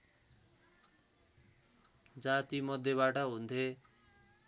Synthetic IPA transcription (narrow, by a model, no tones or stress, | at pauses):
d͡zat̪imʌd̪ʱjeβaʈʌɦunt̪ʰe